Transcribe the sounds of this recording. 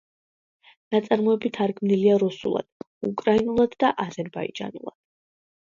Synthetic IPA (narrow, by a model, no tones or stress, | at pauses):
nat̪sʼaɾmɔɛbit̪ʰaɾɡmniliaɾusṵlˠa̰d̪̥ | ukʼɾainulˠad̪ːaʔazɛɾbaḭd͡ʒʼa̰nṵlˠa̰d̪̥